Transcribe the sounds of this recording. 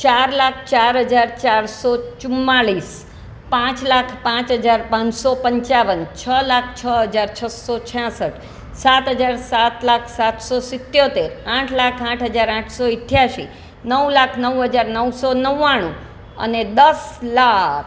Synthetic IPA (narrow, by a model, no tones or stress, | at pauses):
t͡ʃaɾlak̚ʰt͡ʃaɾɦəd͡ʒaɾt͡ʃaɾsot͡ʃʊmːaɭis | pãt͡ʃlakʰpãt͡ʃɦəd͡ʒaɾpãɲsopəɲt͡ʃaʋənt͡ʃʰəlak̚ʰt͡ʃʰəɦəd͡ʒaɾt͡ʃʰəsot͡ʃʰjãsəʈʰ | sat̪ɦəd͡ʒaɾsat̪lakʰsat̪sosɪt̪ːjot̪eɾãʈʰlakʰãʈʰɦəd͡ʒaɾãʈʰsoɪʈʰjaʃḭ | nəwlakʰnəwɦəd͡ʒaɾnəwsonəʋaɽ̃ṵ̃ | ə̰ned̪əslak